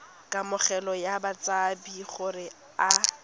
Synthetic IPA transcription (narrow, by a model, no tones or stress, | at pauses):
kʼamʊχɛlɔjabat͡sʼabiχʊrɪ | a